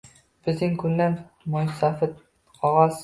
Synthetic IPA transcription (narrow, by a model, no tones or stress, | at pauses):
b̥ɪznɪŋkʰʊnlan | mʊjsafɪt̪ | qʰɒʁɑs